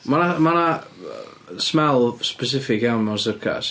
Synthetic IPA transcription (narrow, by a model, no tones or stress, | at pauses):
manamana | smɛlˠspɛs̬ɪfɪkjawnmasəkʰa̰s